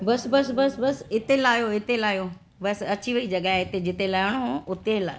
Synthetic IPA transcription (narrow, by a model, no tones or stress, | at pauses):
bɐsbɐsbɐsbɐsɪt̪elaːjoɪt̪elaːjo | bɐsɐt͡ɕiʋɐid͡ʑɐɠaɦeɪt̪ed͡ʑɪt̪elaːɪɽ̃oʊt̪ela